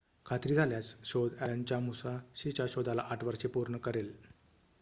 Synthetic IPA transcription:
kʰat̪ɾiːd͡zʱaljat͡sɕod̪aant͡ɕjamusaɕit͡ɕjaɕod̪ʱalaʔaʈʰʋəɾʂepuɾɳəkəɾel

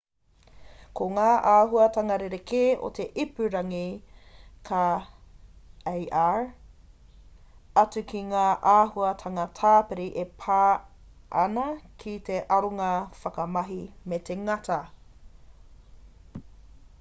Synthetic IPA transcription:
koŋaːʔaːɦuɐtɐŋɐɾeɾekʰeːʔo̰t̪ʰeʔipʉɾɐŋi | kʰa | ejʔaːɹ | ɐt͡sukʰiŋaːʔaːhuɐtʰɐŋɐtʰaːpeɾiʔepʰaː | ʔɐnɐkʰit̪eʔɐɾoŋɐfɐkɐmɐɦimetʰeŋɐtʰɐ

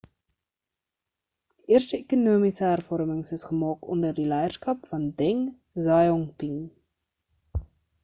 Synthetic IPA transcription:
ʔiərstəekunuəmisəɦærfɔrməŋsəsχəmɑːkɔndərdilɛjərskɐpfɐndɛŋ | zɑjɔŋpiŋ

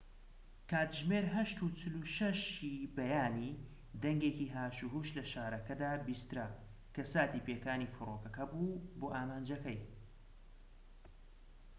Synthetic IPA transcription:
kʰaːt̪ʒmeːɾɦɐʃt̪ut͡ʃʰɨluʃɐʃibɐjaːniː | d̪ɐŋɡeːkiːɦaːʃuɦuːʃlɐʃaːɾɐkɐd̪aːbist̪ɨɾɐ | kɐsaːt̪iːpeːkaːniːfɨɾoːkɐkɐbuboːʔaːmaːnd͡ʒɐkɐj

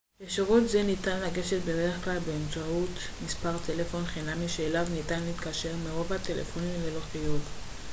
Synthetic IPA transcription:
jeʃiʁut̪zenitanlaɡe̞ʃet̪̚bede̞ʁeχklalbeːmt͡saut | mispaʁt̪ʰe̞le̞fo̞nχinamiʃeːlavnitanleit̪kaʃe̞ʁmeʁo̞vat̪elḛfo̞nimleloχijut

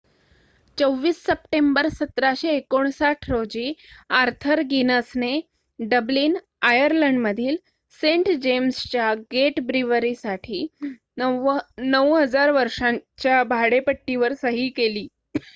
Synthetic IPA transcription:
t͡səwʋːiːsːəp̚ʈembəɾsət̪ɾaɕeːkoɳ̃saʈʰɾod͡ʑiːaɾt̪ʰəɾɡinəsne | ɖəbliːn | ajəɾləɳɖməd̪ʱiːl | sẽɳʈd͡ʑemst͡ɕjaɡeʈbɾiʋəɾisaʈʰiː | nəwɦəd͡zaɾʋəɾʂaɲt͡ɕjabʱaɽepəʈːiʋəɾsəɦiːkeliː

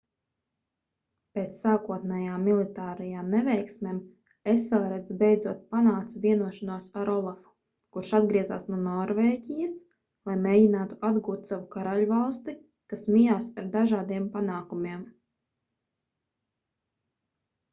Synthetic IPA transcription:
peːt̪ssaːkuɔt̪nɛjaːmːilˠit̪aːɾɛjaːmnɛvɛjksmeːm | esɛlˠɾɛd̪zbɛjd̪zuɔt̪̚panaːkt̪svʲiɛnuɔʃanuɔsaɾɔlˠafu̥ | kuɾʃad̪ɡɾiɛzaːsnuɔnɔɾveːɟʲijəs | lˠajmʲeːɟinaːt̪uʔad̪ɡuːt̪savukaɾaluvalˠst̪i | kasmijaːsaɾd̪aʒaːd̪iɛmpanaːkumiɛm

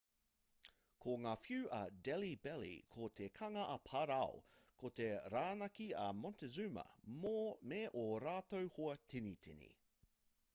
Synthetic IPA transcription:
kʰoŋaːfjʉːʔɐdɛlibɛlḭkʰot̪ʰekʰɐŋɐʔɐpʰɐɾawkʰot̪eɾaːnɐkiɐmɔntezʉmə̰momeʔoɾaːt̪owhoɐtʰinitʰḭnḭ

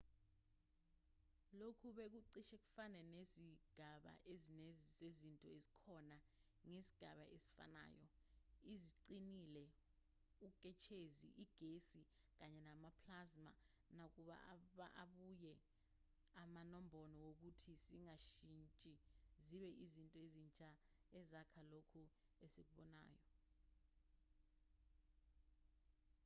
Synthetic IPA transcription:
lokʰuɓek̬uǀiʃek̬ʼu̥fanɛneziɡ̥ʱaɓa̰ʔezinezintʼɔezikʰɔna | ŋesi̥ɡ̥ʱaɓaʔesi̥fa̰na̰ːjɔiziǀinilɛ | ukʼɛt͡ʃʰezḭʔiɡ̥ʱesi | k̬aɲɛnamapʰlazma̰ | nak̬uɓa̰ʔaɓaʔaɓujɛ | amanɔmbʱɔnɔwok̬utʰisiŋaʃint͡ʃʼiziɓɛʔizintʼɔezint͡ʃʼa | ɛzakʰalokʰu | esek̬uɓɔna̰ːjɔ

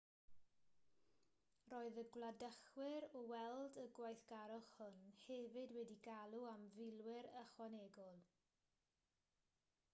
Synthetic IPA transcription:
roːɨðəɡlˠadəχwɪɾɔwɛlˠdəɡwajθɡ̥aɾɔχhʊnhɛvɨdwɛdiɡalˠuamvɪlˠwɪɾəχwanɛɡɔlˠ

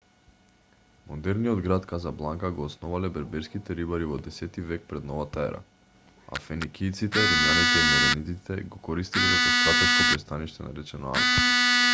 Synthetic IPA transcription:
mod̪ɛɾniɔd̪ɡɾat̪kazablˠaŋkaɡoːsnɔvalɛbɛɾbɛɾskit̪ɛɾibaɾivɔd̪ɛsɛt̪ivɛk̚pɾɛd̪nɔvat̪aɛ̰ɾa̰ | a̰fɛnikʲʰijt̪sit̪ɛɾimlanit̪ɛimɔɾɛnit̪it̪ɛɡokɔɾist̪ililɛp̪ost̪at̪ɔt͡ʃk̪ɔpɾɛst̪aniʃt̪ɛna̰ɾɛt͡ʃɛno̰a̰ft̪i

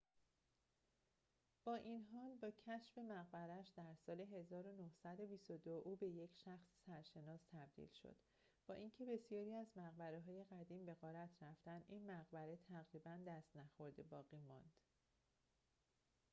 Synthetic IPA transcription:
b̥ɒːʔinɦɒːlbɒːcʰæʃfe̞mæɣbæɾæʃd̪æɾsɒːle̞ɦe̞zɒːɾo̞nohsæd̪o̞bist̪o̞d̪oʔuːbe̞je̞cʰʃæxssæɾʃe̞nɒːst̪ʰæb̚d̪ḭlʃo̰d̪̥ | b̥ɒːʔiːncʰe̞be̞sijɒːɾiːæzmæɣbæɾeɦɒːje̞ɣæd̪iːmbe̞ɣɒːɾæt̪ʰɾæft̪ænʔinmæɣbæɾe̞t̪ʰæɣɾiːbænd̪æst̪næxo̞ɾd̪ebɒːɣiːmɒ̰nd̪̥

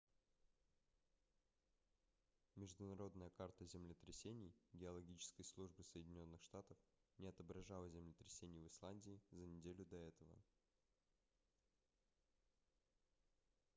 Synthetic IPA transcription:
mʲɪʐd̪ʊnɐɾo̞d̪nəjəkart̪əzʲɪmlʲɪt̪ɾʲɪsʲenʲɪjɡʲɪɐlˠɐɡʲit͡ɕɪ̥skəjslˠuʐbɨsəjɪdʲɪnʲo̞nːɨxʂt̪at̪əfnʲɪɐt̪əbɾɐʐalˠəzʲɪmlʲɪt̪ɾʲɪsʲenʲɪjvɨslˠanʲdʲɪːzənʲɪdʲelʲʊd̪ɐɛt̪əvə̰

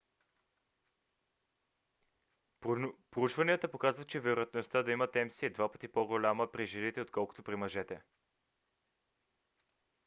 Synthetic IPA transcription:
pɾout͡ʃvɐniət̪əpokazvət͡ʃɛvɛɾʊjɐt̪nost̪əd̪ɐimət̪ɛmsiɛd̪vapə̥t̪ipoɡolʲaməpɾiʒinit̪ɛot̪̚kɔlˠko̥t̪opɾimɐʒɛt̪ɛ

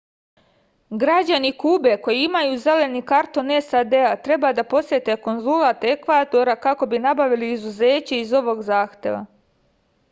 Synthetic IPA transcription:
ɡɾad͡ʑanikuːbe̞ko̞jiimajuze̞le̞nikaɾt̪o̞ne̞sad̪eat̪ɾe̞bad̪apo̞sje̞t̪e̞ko̞nzulˠat̪e̞kʋat̪o̞ɾakako̞binabaʋiliːzuzeːt͡ɕeizo̞ʋo̞ɡzaːxt̪e̞̰ʋa̰

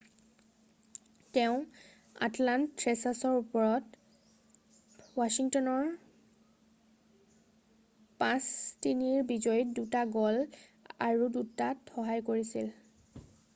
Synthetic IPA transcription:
teʊ̃ | a̰tlantːɹɛsasɔɹupɔɹɔt | wasiŋtɔnɔɹ | pãstiniɹbizɔjdutaɡɔla̰ɹudutatxɔɦajkoɹisḭl

